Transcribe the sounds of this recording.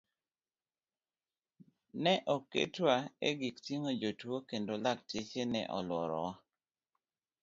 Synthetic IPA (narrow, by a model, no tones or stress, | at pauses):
nɛʔokḛtwaḛɡiktiŋod͡ʒotwokendolak̚tet͡ʃenɛ̰ʔɔ̰lwɔɾɔ̰wa